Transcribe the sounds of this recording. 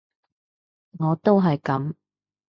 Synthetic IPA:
ŋɔː˨˧t̪o˥wɦɐ˨jkɐ˨˥m

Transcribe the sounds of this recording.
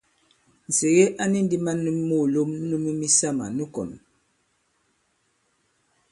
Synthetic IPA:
n̩˨se˨ɣe˦ʔa˦ni˦n˦di˦ma˦nu˦m˦mo˦˨lo˦m˦nu˦mi˦mi˦sa˦˨ma̰˨nu˦kɔ̰˨n˨

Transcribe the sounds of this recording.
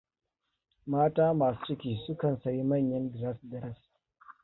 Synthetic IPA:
maː˦taː˦maː˨su̥˦sɪ˦kʲiː˨sʊ˦kɐ˨nsɐ˨ji˦mɐ˦˨ɲjɐ˦ndɪ˨ɾa˦sdɐ˦ɾɐ˦s

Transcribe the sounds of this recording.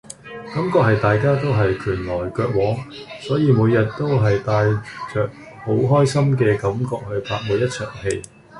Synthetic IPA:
kɐ˨˥mkɔː˧k̚hɐ˨jt̪aː˨jkaː˥t̪o˥wɦɐ˨jkʰyː˨˩nlɔː˨˩jkœː˧k̚wɔː˨˥ŋsɔː˨˥jiː˨˧muː˨˧jɐ˨t̚t̪o˥wɦɐ˨jt̪aː˨˧jt͡ʃœː˨k̚ | ho˨˥wɦɔː˥jsɐ˥mk̬ɛː˧kɐ˨˥mkɔː˧k̚hɵ˧ɥpʰaː˧k̚muː˨˧jɐ˥t̚t͡sʰœː˨˩ŋhe˧j

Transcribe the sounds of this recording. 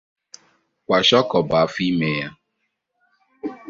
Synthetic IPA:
kʷa˨ʃɔ˦kɔ˨ba˨a˦fi˦me˨ja˦

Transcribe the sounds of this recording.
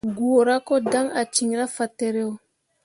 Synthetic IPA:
ɡu˨o˨ɾa˦ko˦da˦ŋa˨t͡ʃi˨ŋɾa˦fa˨te˨ɾe˦o˨

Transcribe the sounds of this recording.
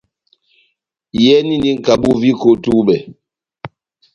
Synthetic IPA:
jɛ˦ni˦ndi˦ŋ̩˨ka˨ɓu˦vi˦ko˦tu˦ɓɛ˨

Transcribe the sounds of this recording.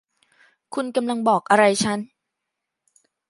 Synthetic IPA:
kʰu˧nka˧mla˧ŋbɔː˨˩k̚ʔa˧ɾa˧jt͡ɕʰa˦˥n

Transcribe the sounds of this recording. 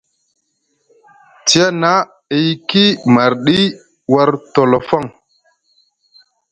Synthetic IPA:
ti˦a˦na˦ | i˦jki˦ma˨ɾɗi˦ | wa˦ɾto˨lo˨fa˦˨ŋ

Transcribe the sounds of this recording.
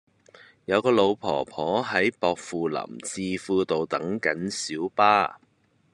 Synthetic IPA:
jɐ˨˧wkɔː˧lo˨˧wpʰɔ̰ː˨˩pʰɔː˨˥ɦɐ˨˥jpɔː˧k̚fuː˨lɐ̰˨˩mt͡siː˧fuː˧t̪o˨wt̪ɐ˨˥ŋkɐ˨˥nsiː˨˥wpaː˥

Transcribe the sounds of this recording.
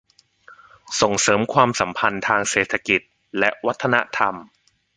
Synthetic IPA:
so˨˩ŋsɤː˩˦mkʰwaː˧msa˩˦mpʰa˧nt̪ʰaː˧ŋseː˨˩t̪ʰa˧ki˨˩t̪̚ | lɛ˦˥ʔwa˦˥t̪ʰːa˧na˦˥t̪ʰa˧m

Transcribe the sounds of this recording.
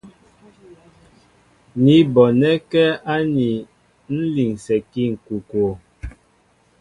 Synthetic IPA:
ni˨˦bɔ˨nɛ˦kɛ˦a˦ni˨ | n̩˦li˨ŋsɛ˨ki˦ŋ̩˨ku˨ko˨

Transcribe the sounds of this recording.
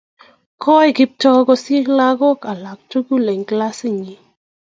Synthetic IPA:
kɔ˦jkɪ˦p̚tɔ˦kɔ˧se˦la˦ɡɔ˦ka˨la˨k̚tu˦ku˦le˨ŋkla˦sɪ˦˨ɲi˨

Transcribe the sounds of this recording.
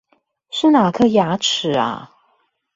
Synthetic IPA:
ʂɻ̩˥˩na˨˩kʰɤ˥˧ja˧˥ʈ͡ʂʰɻ̩˨˩˦ɐ̰˧

